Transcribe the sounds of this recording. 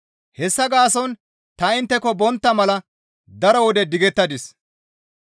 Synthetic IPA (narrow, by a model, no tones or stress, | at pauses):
hɛsːɐɡaːsɔn | t̪ɐɪnt̪ːɛkɔbɔnt̪ːɐmɐlɐ | d̪ɐɾɔwɔd̪ɛd̪ɪɡɛt̪ːɐd̪ɪs